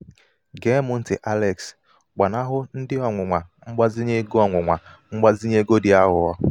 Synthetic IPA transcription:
ɡe˨˦mʊ˨n̩˦tɪ˨ʔa˦le˨ks | ɡ͡ba˨na˦ɦʊ˦n̩˦dɪ˦ɔ˨ŋʷʊ˨ŋʷa˨ŋ͡m̩˦ɡ͡ba˦zɪ˦ɲe˦ɡɔ˦˨ŋʷʊ˨ŋʷa˨ŋ͡m̩˦ɡ͡ba˦zi˦ɲe˦ɡo˦dɪ˨a˦ɦʊ˨ɔ˦

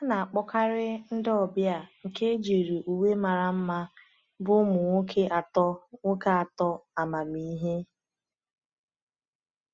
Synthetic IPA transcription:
a˦na˨a˨k͡pɔ˦ka˦ɾɪ˦n̩˦dɪ˦ɔ˨bja˨ŋ̩˨ke˦d͡ʒe˨ɾu˨ʔu˨we˦ma˨ɾa˨m̩˦ma˦ | bʊ˦mʊ˨ŋʷo˦kʰe˦ʔa˨tɔ˦ŋo˦ka˦a˨tɔ˦a˨ma˨mi˨i˦ɦe˦

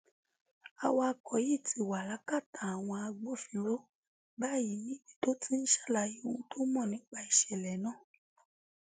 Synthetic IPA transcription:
a˧wa˧a˧kʰɔ˨ji˦˨ti˧wa˨la˨˦ka˦˨ta˨a˨w̃ɔ̃˧a˧ɡ͡bo˦fĩ˧lo˦ | ba˦˨ji˨˦jĩ˦i˨˦to˦tʰi˦n̩˦ʃḁ˦˨la˧ji˦wũ˦tʰo˦mɔ̃˦˨nĩ˨˦ɡ͡ba˦i˨ʃɛ˨lɛ˨nãː˦˨

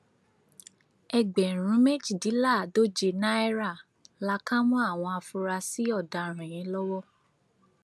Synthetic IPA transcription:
ɛ˧˨ɡ͡bɛ˨ɾ̃ũ˨˦me˦˨d͡ʒi˦˨di˨˦la˦˨do˦d͡ʒe˧nã˦ɛ˦ɾa˦˨ | la˧˦kã˦mɔ̃˦a˦˨w̃ɔ̃˧a˧fũ˧ɾa˧si˦ɔ˦˨da˧ɾ̃ɛ̃˨j̃ɛ̃˨˧˦lɔ˦wɔ˦

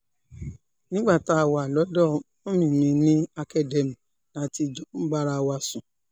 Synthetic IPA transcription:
nĩ˦ɡ͡ba˦˨ta˦˨wa˨lɔ˨˦dɔ˦˨ | ɔ̃˦mĩ˨mĩ˨˧nĩ˦a˧kɛ˦dɛ˨m˨ | la˨˦ti˧d͡ʒɔ˨˦m̩˦ɡ͡ba˦ɾa˧wa˧sũ˨

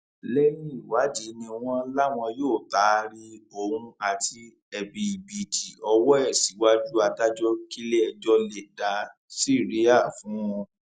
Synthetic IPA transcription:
lɛ˦nĩ˦i˦˨wa˨˦d͡ʒi˨˦nĩ˧w̃ɔ̃˦la˦w̃ɔ̃˧joː˦˨ta˨˦ɾi˦o˧˨ɾũ˧a˨tʰi˧ | ɛ˧bi˧˨bi˨d͡ʒi˨ɔ˧wɔ˦ɛ˦˨si˨˦wa˦d͡ʒu˦a˧da˦d͡ʒɔ˦ki˦le˦ɛ˧d͡ʒɔ˦le˧da˨˦ | si˦˨ɾi˦a˦˨fũ˨˦ɔ̃˧

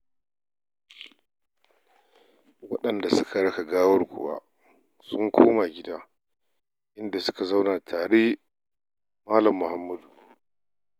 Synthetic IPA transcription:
wɐ˦ɗɐ˨nda˨sʊ˦kʰa˨ɽɐ˦ka˨ɡaː˦wɐ˦ɽɡʷʊ̰˨wa̰ː˦ | sʊ˦ŋkʷʰoː˦ma˨ɡʲɪ˦daː˦ | ʔɪ˦nda˨sʊ̥˦ka˨za˦wna˨tʰaː˨ɽeː˦ | maː˦lɐ˨mːʊ˨ha˦mːɐ˦du˨

